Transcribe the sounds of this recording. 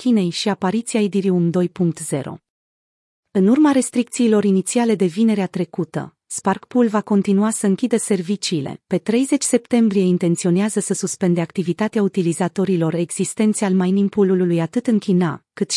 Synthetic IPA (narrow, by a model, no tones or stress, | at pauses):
kʲine̞jʃiapaɾit̪sijaid̪iɾiumd̪o̞jpuŋk̚t̪z̥e̞̰ɾo̞̰ | ɨnurmaɾe̞st̪ɾikt̪siːlo̞ɾinit̪siale̞d̪e̞vine̞ɾeat̪ɾe̞kut̪ə̰ | sparkpulvako̞nt̪inuasəɨŋkʲid̪əse̞rvit͡ʃiːle̞̰pe̞t̪ɾe̞jze̞t͡ʃʲse̞pt̪e̞mbɾije̞int̪e̞nt̪sio̞neazəsəsuspe̞nd̪e̞ak̚t̪ivit̪at̪eaut̪ilizat̪o̞ɾilo̞re̞ɡz̥ist̪e̞nt̪sealmajnimpulululujat̪ɨt̪ɨŋkʲina̰kɨt̪ʃ